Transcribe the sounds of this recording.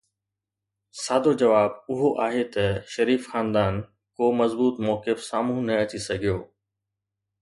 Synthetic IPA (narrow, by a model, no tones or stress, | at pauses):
saːd̪ʱod͡ʑɐʋaːb̚ʊɦoʔaːɦet̪ɐʃɐɾiːfxaːnd̪aːn | koːmɐzbuːt̪mɔːkɪfsaːmũːnɐɐt͡ɕisɐɡʱijoː